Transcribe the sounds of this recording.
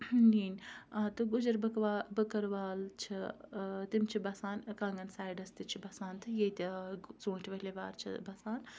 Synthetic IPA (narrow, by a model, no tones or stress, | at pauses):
niːnt̪ɨɡud͡ʒɐɾbɐkʋaːbɐkɐɾʋaːlt͡ʃʰit̪imt͡ʃʰibɐsaːnkaŋɡɐnsaːjɖɐst̪it͡ʃʰibɐsaːnt̪ʰɨjeːt̪ʲt͡sõːnʈʰʋɐlʲeʋaːɾt͡ʃʰḭbɐsaːn